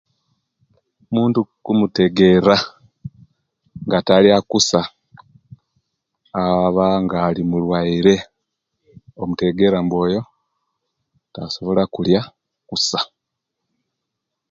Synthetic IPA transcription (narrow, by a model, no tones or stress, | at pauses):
muːntukumuteɡe̞ɾa | ŋɡataljakusa | aβaŋɡaːlimulwaiɾe̞ | omute̞ɡe̞ɾambwo̞ːjo̞ | taso̞βo̞lakulja | kusḁ